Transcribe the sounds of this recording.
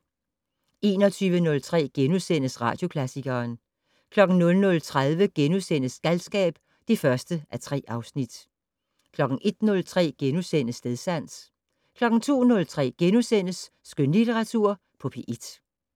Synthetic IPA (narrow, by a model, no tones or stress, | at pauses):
e̝̰ːnɒ̽t͡sʰyːʋənɔ̽lt͡sʰʁɛ̰ːɡ̥enusen̰əsʁɑ̰̈ːd̥jo̝kʰlæsiɡ̥ɐːn | kʰlɒ̽ɡ̥n̩nɔ̽lnɔ̽lt͡sʰʁaðˠʋəɡ̥enusen̰əsɡ̥ælsɡ̥ɛ̰ːb̥ | d̥efɶɐsd̥əʔæt͡sʰʁɛ̰ːɑ̈ʊsnid̥ | kʰlɒ̽ɡ̥n̩ʔe̝d̥nɔ̽lt͡sʰʁɛ̰ːɡ̥enusen̰əsde̝ðˠsæn̰s | kʰlɒ̽ɡ̥n̩t͡sʰo̝̰ːnɔ̽lt͡sʰʁɛ̰ːɡ̥enusen̰əsː | ɡ̥ønlit͡sʰeʁɑ̈t͡sʰuɐ̰ | pʰɒ̽pʰeʔid̥